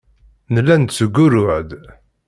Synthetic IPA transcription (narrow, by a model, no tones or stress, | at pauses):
nəlːænt̪t͡sːəɡʷːʊɾʊʕd̪